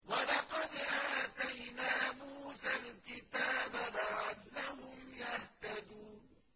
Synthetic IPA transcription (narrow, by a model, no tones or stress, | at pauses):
walɑqɑd̪ʔaːt̪ajnaːmuːsalkɪt̪aːbalaʕanːahʊmjaht̪ad̪uːn